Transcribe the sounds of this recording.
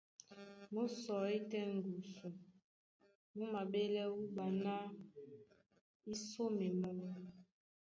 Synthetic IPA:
mo˦sɔ˨i˦tɛ˦ŋ˨ɡu˨su˨ | mu˦ma˨be˦lɛ˦wu˦ɓa˨na˦ | i˦so˦mi˨mo˦l

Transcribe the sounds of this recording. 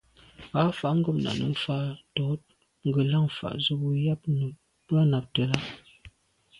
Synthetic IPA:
a˨˦fa˨ʔŋ̩˦ɡɔ˦pna̰˨nə̰˨fa˦˨tɔ˨˦t̚ | ŋ̩˦ɡə˨la˦˨ŋ˨fa̰˨ʔzə˦bu˦ja˦p̚nə˨ | pɰa˦na˨p̚tə˨la˦

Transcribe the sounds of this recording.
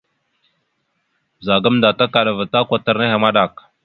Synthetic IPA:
za˨ɡa˦mda˨ta˦ka˨ɗa˨va˨ta˦kʷa˨ta˨ɾna˦ha˨ma˦ɗa˨k

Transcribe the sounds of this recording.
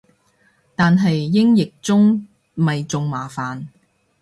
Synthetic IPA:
t̪aː˨nɦɐ˨jːɪ˥ŋjɪ˨k̚t͡sʊ˥ŋ | mɐ˨jt͡sʊ˨˧ŋmaː˨˩faː˨n

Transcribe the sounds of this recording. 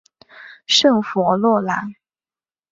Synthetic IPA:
ʂɤ˥˩ŋfɔ˧˥lwɔ˥˩la˧˥n

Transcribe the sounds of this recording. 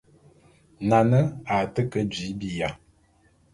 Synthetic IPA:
na˨nə˦a˨tə˦kə˦d͡ʒi˨˦bi˨ja˨

